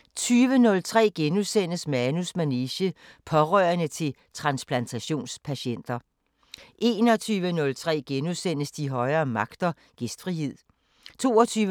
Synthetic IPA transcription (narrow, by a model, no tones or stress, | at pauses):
t͡sʰyːʋənɔ̽lt͡sʰʁɛ̰ːɡ̥enuðˠsen̰əsmænusmæneɕə | pʰɒ̽ʁœːɐnət͡sʰe̝l | t͡sʰʁɑ̈nspʰlænt͡sʰæɕo̝̰ːnspʰæɕen̰d̥ɐ | ʔe̝ːnɒ̽t͡sʰyːʋənɔ̽lt͡sʰʁɛ̰ːɡ̥enuðˠsen̰əsd̥iɦɒ̽ɪɐːmɑ̈ɡ̥d̥ɐ | ɡ̥esd̥fʁiɦe̝ð̰ˠ | t͡sʰo̝̰ːɒt͡sʰyːʋ